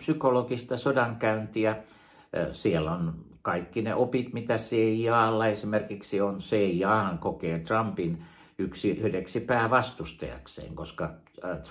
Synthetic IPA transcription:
psykolokist̪ɑsodɑŋkæynt̪iæ | sielonkɑikːinḛʔopit̪mit̪æseijɑːlːɑesimerkiksionseijɑːhɑŋkokeːt̪rɑmpin | yksihedeksipæːʋɑst̪ust̪ɑ̰jɑ̰ksḛːŋkoskɑ | t̪

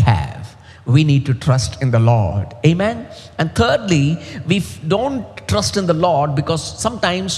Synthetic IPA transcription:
hæ̰ʋ | ʋiniːɖ̚ʈuʈɾʌsʈɪ̃nd̪əlɔ̰ːɾɖeːmɛ̃n | ɛ̃nɖt̪ʰəːɾɖliʋiɖõːɳʈʈɾʌsʈɪ̃nd̪əlɔːɾɖ̚bɪkɔːzːʌ̃mʈãɪ̃ms

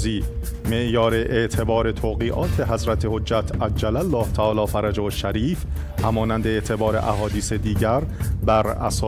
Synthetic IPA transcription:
ziː | me̞ʔjɒːɾe̞ʔeʔt̪ʰe̞bɒːɾe̞t̪ʰoːɣiːʔɒːt̪ʰe̞ɦæzɾæt̪ʰehod͡ʒːæt̪ʰæd͡ʒːælælːɒːht̪ʰæʔɒːlɒːfæɾæd͡ʒohoʃːæɾiːf | hæmɒːnænd̪eeʔt̪ʰe̞bɒːɾe̞̰ʔæɦɒːd̪iːsed̪iːɟæɾbæɾæ̰sɒː

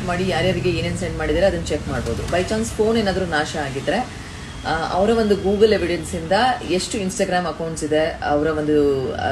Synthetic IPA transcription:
maːɽijaːɾjaːɾiɡeinensɐjɳʈmaːɽid̪iːɾeɐd̪ɐnːɐt͡ʃekmaːɽbo̞ːd̪ubɐjt͡ʃaːŋspʰo̞ːnenːaːd̪ɐɾuːnaːʃɐaːɡid̪ːɐɾe̞ | ɐ̰ʋɐɾɐʋo̞nd̪uɡuːɡɐle̞ʋiɖensind̪ɐe̞ʂʈuinsʈaːɡɾaːmɐkɐwɳʈsid̪e̞ɐʋɐɾɐʋond̪u

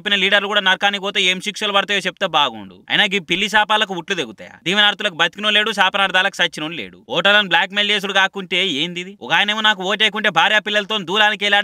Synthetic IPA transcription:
pːinɐliːɖɐɾlukuːɽaːnɐɾkaːnipɔːt̪eːeːmʃikʂɐlubɐɽɐt̪ɐːjot͡ʃep̚ːut̪eːbaːɡṵɳɖṵɐ̰jnaːɡipilːis̬aːpaːlɐk̬uuʈlud̪eɡut̪a̰ːjɐ̰d̪iːminaːɾt̪̬ulɐkubɐt̪ikinule̞ːɽusaːpɐnaːɾd̪aːlɐku̥sɐt͡ʃːinunlḛːɽṵɔːʈɐɾlɐnblaːkmeljeːs̬uɽuɡaːkuɳʈe̞ːeːnd̪id̪iɔ̰kaːjɐneːmunaːk̬uoːʈeːjk̬uɳʈe̞ːbʱaːɾjaːpilːɐlɐt̪oːnid̪uːɾaːnikɛːlaːɽ

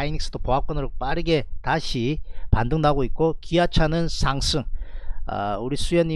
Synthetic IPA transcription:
ainiks͈ɯ̥d̥opoɦap̚k͈ʌnɯɾop͈aɾɯɡe̞taɕʰipandɯŋnaɡoit̚k͈okiat͡ɕʰanɯnsʰaŋs͈ʰɯŋa̰uɾisʰujʌɲːi

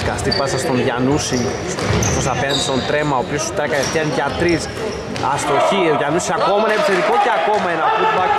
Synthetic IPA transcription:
kast̪ipasast̪onʝanusi | t̪os̬apenanst̪ont̪ɾemaopiost̪ɾekaest̪iankʲat̪ɾis | ast̪oçiʝanusiakomanepit͡seðikokeakomaenapuzma

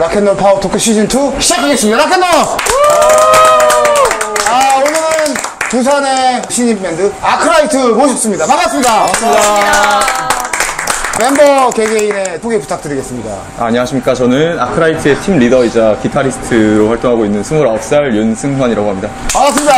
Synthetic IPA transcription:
ɾakʰenːʌɭpʰaotʰokʰɯɕ͈ʰid͡ʑintʰuɕʰid͡ʑakʰaɡesɯmɲidaɾakʰe̞nːʌ | aonɯɾɯn | tus̬ʰane̞ɕʰiɲimːendɯakʰɯɾaitʰɯmoɕʰip̚s͈ɯmɲidamamas͈ɯmɲida | me̞mbʌke̞ɡeine̞tʰoɡepu̥tʰak̚t͈ɯɾiɡe̞s͈ɯmɲida̰ | a̰ɲiɦaɕʰimɲik͈at͡ɕʌnɯna̰kʰɯɾaitʰɯe̞tʰimɾidʌid͡ʑakitʰaɾisʰɯ̥tʰɯɾoɸwaɭt͈oŋɦaɡoinːɯnsʰumuɾʌp̚s͈aɭjunsʰɯŋɡaɲiɾaɡoɦamɲidaʌas͈ɯmɲida

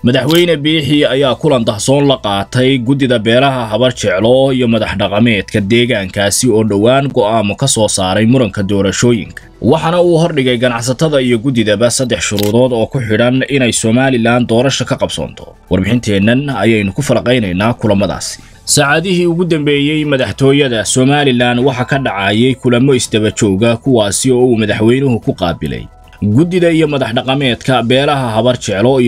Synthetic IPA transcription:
mɐðɐħwɛjnɐbiːħɪɐjaːkʰʊlɐnd̪ɐhsɔːnlɐqɑːt̪ʰɛjɡʊd̪ɪðɐbɛːɾɐɦɐɦɐβɐrt͡ʃʰɛʕlɔijɔmɐðɐħɖɑqɑmɛːd̪kʰɐd̪ɛːɣaːŋkʰaːsɪɔːɖɐwaːŋɡɔʔaːmɔkʰɐsɔːsaːɾɛjmʊɾɐŋkʰɐd̪ɔːɾɐʃɔːjɪ̰ŋkʰɐ̥wɑħɑnɐuːɦɔrɖɪɣɛjɡɐnɑʕs̬ɐt̪ʰɐðɐijɔɡʊðɪðɐβɐsɐd̪ːɛħʃʊɾuːðɔːd̪ɔːkʰʊħɪɽɐnɪnɛjsɔːmaːlɪlaːnd̪ɔːɾɐʃɐkʰɐqɑbsɔ̰ːnt̪ʰɔ̥wɑrbɪħɪnt̪ʰɛːnːɐnɐjɛjnʊkʰʊfɐlɐqɛjnɛjnaːkʰʊlɐmɐða̰ːsɪ̥ | sɑʕɑðɪɦiːʊɣʊd̪ɐmbɛːjɛjmɐðɑħt̪ʰɔːjɐðɐsɔːmaːlɪlaːnwɑħɑkʰɐɖɑʕɑːjɛjkʰʊlɐmɔɪsd̪ɐβɐt͡ʃɔːɣɐkʰʊwɑːsɪɔːuːmɐðɑħwɛjnʊɦʊkʰʊqɑ̰ːbɪ̰lɛ̰j | ɡʊd̪ɪðɐijɔmɐðɑħɖɑqɑmɛːd̪kʰɐbɛːlɐɦɐɦɐβɐrt͡ʃʰɛʕlɔ

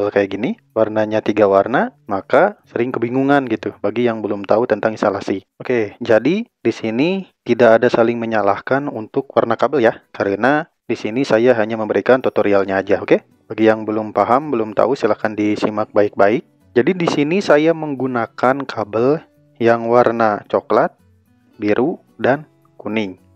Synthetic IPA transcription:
əlkajaʔɡini | warnaɲat̪iɡawarnamakasəɾɪŋkəbiŋuŋanɡit̪ubaɡijaŋbəlʊmt̪aut̪ənt̪aŋisolasi | oked͡ʒadidisinit̪idaadasalɪŋməɲala̰hkanunt̪ʊk̚warnakabəljakəɾəna | disinisajaɦaɲaməmbəɾikant̪ot̪oɾialɲaːd͡ʒaoke | b̥aɡijaŋbəlʊmpaɦambəlʊmt̪a̰usilahkandisimak̚baɪk̚baɪk̚ | d͡ʒadidisinisajaməŋɡunakankʰabəl | jaŋwarnat͡ʃoklat̪̚ | biɾʔu | dan | kunɪŋ

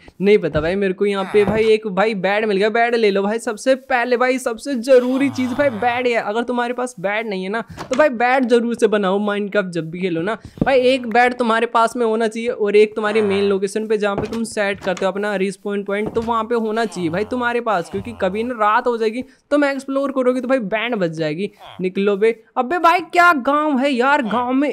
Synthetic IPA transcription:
nɐɦĩpɐt̪abʱaːimeːɾkojɐɦãpebʱaːieːkbʱaːibɛːɽmɪlɡeabɛːɽleːlobʱaːisɐbsepɛɦlebʱaːisɐbsezɐɾuːɾit͡ʃiːzbʱaːibɛːɽɦɛʔɐɡəɾt̪ʊmɦaːɾepaːsbɛːɽnɐɦĩɦɛnat̪obʱaːibɛːɽzɐɾuːɾsebɐnaːomãːɪ̃ɳɖkap̚d͡ʒɐbːikʰeːlonabʱaːieːkbɛːɽt̪ʊmaːɾepaːsmẽɦoːnat͡ʃaːɦieʔɔːɾeːk̚t̪ʊm̤ɦaːɾemeːnloːkeːʃənped͡ʒɐɦãpet̪ʊmsɛːʈkɐɾt̪eɦoɐpnaɾiːspɔːɪ̃ɳʈ̚pɔ̃ːɪ̃ɳʈ̚t̪oʋɐɦãpeɦoːnat͡ʃaːɦiebʱaːit̪ʊmɦaːɾepaːskjõːkikɐbʱinɐɾaːt̪ɦod͡ʒaeːɡi | t̪ʊmeksploːɾkɐɾoːɡit̪obʱaːibɛːɳɖbɐtd͡ʒaːeːɡinɪklobeɐbebʱaːikjaːɡãːʊɦɛjaːɾɡãːʊmẽ

